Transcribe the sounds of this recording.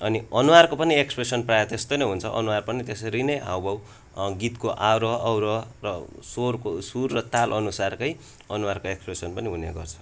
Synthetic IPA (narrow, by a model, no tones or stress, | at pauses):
ʌniʌnuwarkopʌniekspresʌnprajʌt̪est̪onʌjɦunt͡sʰʌʔʌ̰nuwarpʌnit̪esɾinʌjɦa̰wbʌw | ɡit̪koʔawɾʌʌwɾʌrʌsorkosurːʌt̪alʔʌnusarkʌj | ʌnuwarkoekspresʌnpʌniɦunḛɡʌrt͡sʰʌ̥